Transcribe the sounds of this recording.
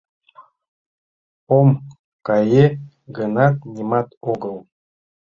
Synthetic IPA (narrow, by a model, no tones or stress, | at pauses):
om | kɑje | ɡənɑt̪̚nʲimɑt̪oɣɤlˠ